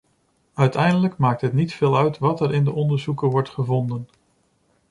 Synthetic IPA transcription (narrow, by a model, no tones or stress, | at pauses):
œɥtɛjndələkmaːk̚tɦətnitfɪːlˠœɥtʋɑtɛɹɪndəʔɔndəɹzukəʋɔɹtχəvɔndən